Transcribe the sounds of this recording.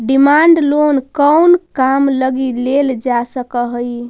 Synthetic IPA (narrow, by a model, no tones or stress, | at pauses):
ɖimaɳɖlonkəwnkamləɡileld͡ʒasəkəɦəj